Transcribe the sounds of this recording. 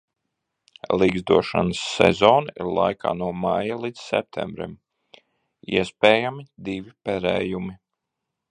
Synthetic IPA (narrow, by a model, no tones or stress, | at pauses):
lˠiɡzd̪uɔʃa̰nəsːɛ̰zɔːnaiɾlˠa̰jkʰa̰ːnuɔmajalˠid̪z̥sɛ̰p̚t̪ʰɛ̰mbɾḭm | ḭɛspɛːjamid̪ivipɛɾɛːjumi